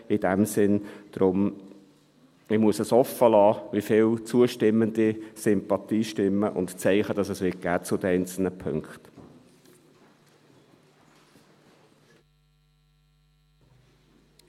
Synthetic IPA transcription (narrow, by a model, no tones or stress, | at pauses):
ɪd̥æmsɪnd̥ɾʊm | ɪmuəsəsɔfːəlɑːʋifɪlt͡suəʃtɪmːənd̪isʏmpɑt̪iːʃtɪmːəʔʊ̰ntt͡sɛɪχəd̥ɑsəsʋɪt̚ɡ̥æːtt͡sʊd̥̪əɛɪnt͡sl̩nəpʰʏ̰ŋkχt̪